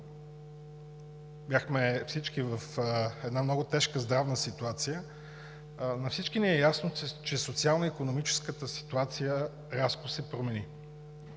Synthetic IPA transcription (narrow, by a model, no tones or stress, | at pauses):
bʲjaxmɛfsit͡ʃkivɐfɛd̪namnɔɡʊt̪ɛʃkəzd̪ɾavnəsit̪uat̪sijə | nɐfsit͡ʃkiniɛjasnot͡ʃɛsot̪sialˠnəikonomit͡ʃɛ̥skət̪əsi̥t̪uat̪sijə | ɾaskʊsɛpɾomɛni